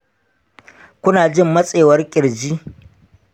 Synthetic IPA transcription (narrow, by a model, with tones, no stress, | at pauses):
kʷʊ˦naː˨d͡ʒɪ˦mːɐ˦sʼeː˨wɐ˦rkʲʼɪ˨ɽd͡ʒiː˦